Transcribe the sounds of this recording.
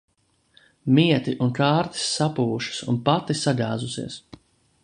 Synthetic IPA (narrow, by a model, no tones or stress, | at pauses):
miɛt̪iʔunkaːɾt̪i̥sːapuːʃu̥sṵnpat̪isaʎʲaːzusḭɛs